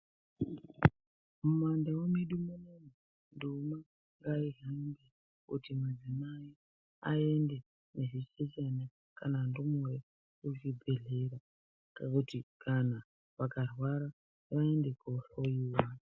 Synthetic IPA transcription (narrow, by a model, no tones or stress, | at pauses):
mumwandawomiɗumuneni | nduma | ŋɡaiɦainɡe | kutimwad͡zinaji | aende | neʐiset͡ʃena | kanandumure | ut͡ʃibʱe̞ɮeɾa | kakutikʰana | ʋakarwaɾa | ʋaendekoɬojiːwa